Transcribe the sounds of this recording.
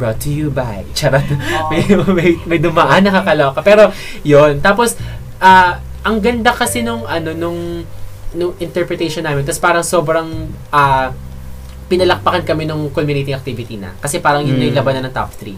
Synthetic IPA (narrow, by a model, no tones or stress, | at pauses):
bɹot̪ːʊjubajt͡ʃaɾɐmɐjmɐjmɐjd̪ʊmɐʔɐnːɐkɐkɐlookɐpɛːɾo̞ | jont̪aːpos | ʔa | ʔɐŋɡɐnd̪akɐsɛnʊŋʔɐno̞nʊŋ | nʊŋʔɪnt̪ɛɹpɾɛt̪ɛjʃɔnːaːmɪnt̪ɐspaːɾɐŋso̞ːbɾɐŋʔɐ | pɪnɐlɐk̚pɐkɐnkɐmɛnʊŋkomjʊnejt̪ɪŋʔɐk̚t̪ivɪt̪inɐ̰kɐsɛpaːɾɐŋjʊnːojlɐbɐnɐnɐŋt̪a̰p̚t̪ɾḭ